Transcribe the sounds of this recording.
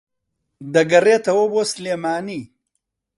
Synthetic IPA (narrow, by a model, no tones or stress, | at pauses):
d̪ɐɡɐɾeːt̪ɐwobosleːmaːni